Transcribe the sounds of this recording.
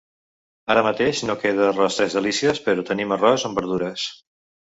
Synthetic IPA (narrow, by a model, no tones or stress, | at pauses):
aɾəmət̪eʃnokeð̞ərɔst̪ɾɛzðəlisiəspəɾɔt̪ənimərɔzəmbəɾð̞uɾəs